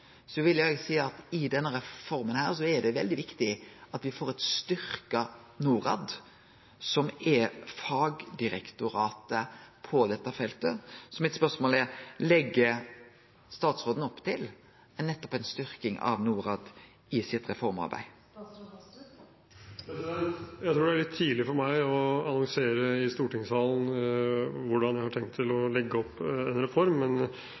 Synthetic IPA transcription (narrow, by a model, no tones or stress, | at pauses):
sɔʋɪlːjɛɡsiːɑt̪ɪd̪ɛnːəɾɛfɔɾmənhæːɾsɔɛd̪ɛʋɛld̪ɪʋɪkt̪ɪɑt̪ʋɪfoːɾɛt̪st̪ʏɾkənuːɾɑ̰d̪ | sɔmɛfɑːɡd̪ɪɾɛkt̪ʊɾɑːt̪əpʰɔd̪ɛt̪ːɑfɛlt̪əsɔmːɪt̪spœɾsmoːlɛɾlɛɡːə | st̪ɑːt̪sʁoːd̪n̩ɔpːt̪ʰɪl | ɛnːɛt̪ːɔ̥pænst̪ʏɾkɪŋʔɑ̰ʋnuːɾɑːd̪ | ɪsɪt̪ɾɛfɔɾmɑ̰ɾbæ̰ɪ | jæɪt̪ɾuːɖɛæɾɭɪt̪ʰːiːlɪfɔɾmæɪɔɑnɔŋseːɾəɪst̪uːʈɪŋsɑːlən̩ | ʋʊɖɑnjæɪhɑʈʰɛŋt̪ʰːɪlɔlɛɡːəɔpːɛnɾɛfɔɾmːɛn